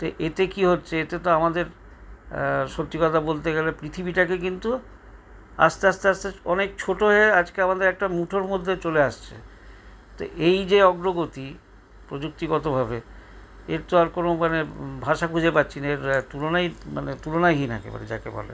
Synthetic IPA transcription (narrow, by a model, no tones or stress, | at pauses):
t̪oʔet̪ekiɦotːɕʰeet̪et̪oamad̪eɾ | ʃot̪ːikɔt̪abolt̪eɡelepɾit̪ʰibiʈakek̬int̪u | a̰st̪east̪east̪eɔnek̚t͡ɕʰoʈoɦead͡ʑkeamad̪eɾɛk̚ʈamuʈʰoɾmod̪ʱːet͡ɕoleaʃt͡ɕʰḛ | t̪o̰ʔejd͡ʑeɔɡɾoɡot̪i | pɾod͡ʑuk̚t̪iɡɔt̪obʱabe | eɾt̪oaɾkonomanebʱaʃakʰud͡ʑʱepatːɕʰineɾt̪ulonajma̰net̪ulonajɦinɛ̰kḛba̰ɾḛd͡ʑa̰kḛbɔ̰lḛ